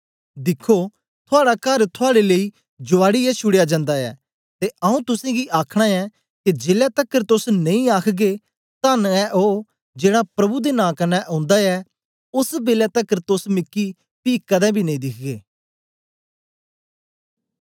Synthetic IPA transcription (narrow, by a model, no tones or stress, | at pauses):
d̪ɪkʰːo | t̪ʰʊaːɽakəɾt̪ʰʊaːɽeleiː | d͡ʒʊaːɽiɛt͡ʃʰʊɽejad͡ʒãːnd̪aɛ̰ː | t̪eʔəũt̪ʊsẽːɡiʔaːkʰɽ̃aːɛː | ked͡ʒeːlat̪əkəɾt̪ʊsnɐ̃ĩaːkʰɡe | t̪anɛʔo | d͡ʒeːɽapɾɐbud̪enãːkɐnɛʔɔ̃ːnd̪aɛː | ʊsbeːlaːt̪əkəɾt̪ʊsmɪkːi | piːkəd̪ɛ̃ːbʱiːnɐ̃ĩːd̪ɪkʰɡeː